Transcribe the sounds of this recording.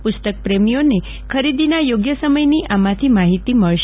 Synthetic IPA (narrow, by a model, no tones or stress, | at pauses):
pʊst̪ək̚pɾemijone | kʰəɾid̪inajoɡjəsəməjniʔamãt̪ʰimaɦit̪iməɭʃ